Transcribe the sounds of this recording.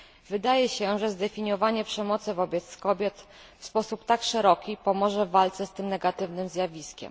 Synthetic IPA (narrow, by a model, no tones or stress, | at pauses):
vɘd̪ajɛɕɛʐɛzd̪ɛfʲiɲɔvaɲɛpʂɛmɔt̪sɘvɔbʲjɛt̪skɔbʲjɛt̪ | fspɔsupt̪akʂɛɾɔkʲipɔmɔʐɛvalt̪sɛst̪ɘmnɛɡat̪ɘvnɘmzʲjavʲiskʲɛ̰m